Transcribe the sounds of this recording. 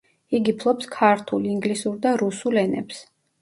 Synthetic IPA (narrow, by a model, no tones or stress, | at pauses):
iɡipʰlˠɔpskʰaɾt̪ʰuliŋɡlisuɾd̪aɾusulɛnɛ̰ps